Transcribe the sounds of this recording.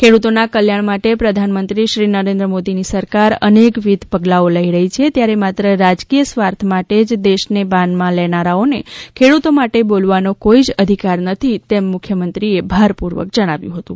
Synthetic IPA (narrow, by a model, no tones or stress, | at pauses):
kʰeɽut̪onakəljaɳ̃maʈepɾəd̪ʱanmə̃nt̪ɾiʃɾinəɾẽnd̪ɾəmod̪inisəɾkaɾə̰nekʋid̪ʱpəɡlaoləɦiɾəɦit͡ʃʰet̪jaɾemat̪ɾəɾad͡ʒkijəsʋaɾt̪ʰmaʈed͡ʒd̪eʃnebãnd̪mãlɛnaɾaonekʰeɽut̪omaʈebolʋanokoid͡ʒəd̪ʱikaɾnət̪ʰit̪emːʊkʰjəmənt̪ɾiebʱaɾpuɾʋə̰k̚d͡ʒəɽ̃aʋjṵ̃ɦət̪ũ